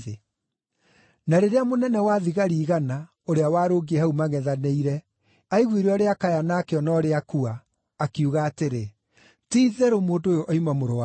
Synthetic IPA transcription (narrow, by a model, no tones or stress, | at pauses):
e | naɾeɾeamonɛnɛwaðiɣaɾiːɣana | oɾeawaːɾoɡiehaumaɣɛðaneiɾɛ | aiɣweɾeɔɾeakajanakeɔnɔɾeakuaː | kiuɣaːteɾe | tiðɛɾomoːndoojoʔɔimamoɾoa